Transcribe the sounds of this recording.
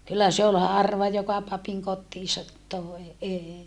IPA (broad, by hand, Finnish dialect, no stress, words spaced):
kylːæ se ol hɑrʋɑ jokɑ pɑpiŋ kotːiːsɑt toe eːi